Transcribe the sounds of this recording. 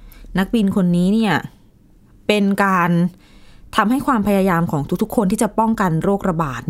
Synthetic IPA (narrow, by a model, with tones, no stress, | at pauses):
na˦˥k̚bi˧nkʰo˧nːiː˦˥ni˥˩ɐ | pe˧nkaː˧n | t̪ʰa˧mɦa˥˩jkʰwaː˧mpʰa˧jaː˧jaː˧mkʰɔː˩˦ŋt̪u˦˥k̚t̪ʰu˦˥kʰːo˧nt̪ʰiː˥˩t͡ɕa˨˩pɔ˥˩ŋka˧nɾoː˥˩k̚ɾa˧baː˨˩t̪̚